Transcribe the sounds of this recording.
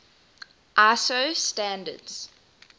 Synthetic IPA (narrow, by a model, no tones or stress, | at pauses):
ʔasostæ̃ndə̰dz̥